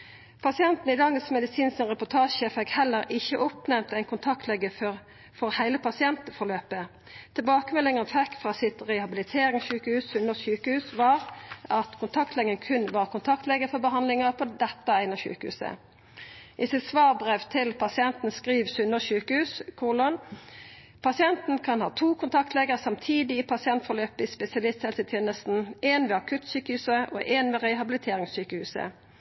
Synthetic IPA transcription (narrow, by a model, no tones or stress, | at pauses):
pʰɑsɪɛnt̪n̩ɪd̪ɑŋəsmɛd̪ɪsiːnsənʁɛpʊt̪ʰɑːʃəfɛkhɛlːəɾɪçːəʔʊpnɛmt̪æɪnkʰʊnt̪ʰɑkt̪ʰlɛɡəfɔʁ | fɔɾhæɪləpʰɑsɪɛnt̪əfɔʁløːpə | t̪ʰɪlbɑːkəmɛlɪŋɑnfɛkfʁɑːsɪt̪ʁɛhɑbɪlɪt̪ʰeːɾɪŋɑçʉːkəhʉːssʉnːəçʉːkəhʉːsʋɑːɾɑt̪kʰʊnt̪ʰɑkt̪lɛɡənkʰʉnʋɑːʁkʊnt̪ʰɑk̚t̪lɛɡəfɔbəɦɑnd̪lɪŋɑpʰɔd̪ɛt̪ːɑæɪnɑçʉ̰ːkəhʉ̰ːsə̰ | ʔɪsɪt̪sʋɑːʁbʁɛʋt̪ʰɪlpʰɑsɪɛnt̪n̩skʁiːʋsʉnːəsʉːkəhʉːskʰuːʁlɔn | pʰɑsɪɛnt̪n̩kʰɑnhɑːt̪ʰuːkʰʊnt̪ʰɑk̚t̪lɛːɡəʁsɑmt̪ʰiːd̪ɪːpʰɑsɪɛnt̪fɔløːpɪspɛsɪɑlɪst̪hɛlsət̪ʰjeːnəst̪n̩eːnʋɛɑkʰʉt̪syːkəhʉːsəʔo̰ːʔeːnʋɛʁæɪɦɑbɪlɪt̪ʰeːʁɪŋsyːkəhʉːsə̰